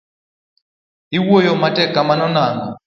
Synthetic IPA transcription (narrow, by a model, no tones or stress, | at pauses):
iwɔjɔmatʼɛkʼamanɔnaːŋɡɔ